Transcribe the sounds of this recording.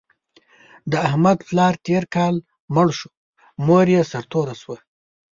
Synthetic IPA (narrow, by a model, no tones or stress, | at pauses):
d̪əahmad̪plɑːɾt̪eɾkɑːl | məɽʃu̥ | moɾjesaɾt̪oːɾaswa